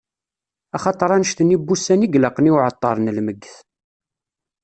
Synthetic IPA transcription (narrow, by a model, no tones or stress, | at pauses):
ɑχɑt̪ˤːəɾˤɑnəʃt̪ənːibːusæniɡləqniwʕət̪ˤːɑ̰ɾˤnəlməɡːθ